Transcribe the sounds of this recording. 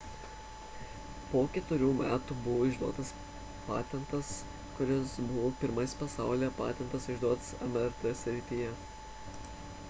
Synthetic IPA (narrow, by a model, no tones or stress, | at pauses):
poːkʲɛt̪ʊɾʲuːmʲæːt̪ubʊʋoːɪʒd̪uɔt̪ɐs | pɑ̰ːt̪ʲɛnt̪ɐs | kʊɾʲɪsbʊʋoːpʲɪɾmɐspɐsɑˑʊlʲeːpɑ̰ːt̪ʲɛnt̪ɐsɪʒd̪uɔt̪sɛmɛɾt̪ɛsʲɾʲɪt̪ʲiːjɛ